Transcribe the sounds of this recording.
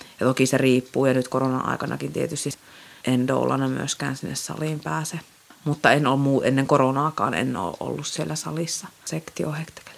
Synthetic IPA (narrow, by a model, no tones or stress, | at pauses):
jɑt̪okiseriːpːuːjɑnyt̪koronɑ̰ʔʔɑ̰ˑikɑnʔɑ̰kint̪iet̪yst̪iʔend̪o̰ːlːɑ̰nɑmy̰øskæ̰ːnsinːessɑ̰limpæːse | mut̪ːɑenoːmmuːʔḛnːeŋkoronɑːkɑ̰ːnḛnːo̰ːʔʔo̰lːussielːæsɑ̰lisːɑsekt̪iohekt̪e̥ke̥l